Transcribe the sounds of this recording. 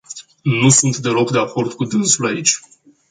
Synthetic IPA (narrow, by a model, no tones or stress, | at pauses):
nusunt̪d̪e̞lo̞kd̪e̞ako̞rd̪kud̪ɨnsulait͡ʃʲ